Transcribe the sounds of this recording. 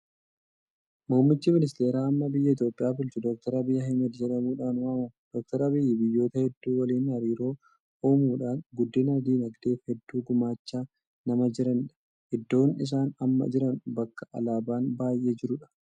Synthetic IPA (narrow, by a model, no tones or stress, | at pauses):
moːmːɪt͡ʃːɪmɪnɪst̪e̞ːɾaːɐmːɐbɪjːɐɪt̪̬jo̞ːpʼːɪjaːbʊlt͡ʃʊd̪ɔk̚t̪ɐɾɐbɪjːɐɦɐjmɐd̪d͡ʒɛᶑɐmuːᶑaːnʊɐmɐd̪̥ɔk̚t̪ɐɾɐbɪjːɪbɪjːo̞ːt̪ɐhɛd̪ːuːwɐliːnhɐɾiːɾo̞ː | oːmuːᶑaːnɡʊd̪ːɪnɐd̪iːnɐɡd̪e̞ːfhɛd̪ːuːɡʊmaːt͡ʃːaː | nɐmɐd͡ʒɪɾɐnᶑɐ̥ | hɛd̪ːo̞ːnɪs̬aːnɐmːɐ̰d͡ʒɪɾɐnbɐkːɐ̥ʔɐ̰laːbaːnbaːjʔe̞ːd͡ʒɪɾʊᶑɐ̥